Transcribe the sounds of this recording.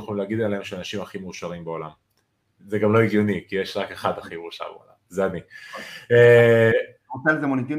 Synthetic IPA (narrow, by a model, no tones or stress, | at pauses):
χoimleaɡid̪eleemʃeanaʃimaχimeuʃaʁimbeo̞lam | zeɡamlo̞iɡjonikijeʃʁake̞χad̪aχimeuʃa̰ʁbeo̰la̰mzeani | e | ot͡selzemonit̪i